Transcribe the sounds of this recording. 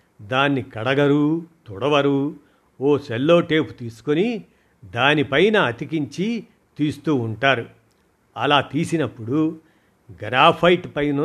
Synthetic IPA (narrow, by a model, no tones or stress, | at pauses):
d̪aːnːikɐɽɐɡɐɾut̪uɽɐʋɐɾu | oːselːo̞ːʈe̞ːpu̥t̪iːsu̥koni | d̪aːnipɐjnɐːt̪ikiɲt͡ʃi | t̪iːst̪uːɳʈaːɾu | ɐlaːt̪iːsinɐpːuɽu | ɡɾaːpʰɐjʈpɐjnɐ